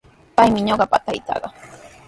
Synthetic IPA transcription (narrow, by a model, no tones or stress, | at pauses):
pajmɪɲoɢɑpat̪ajt͡sɑ̰ɢɑ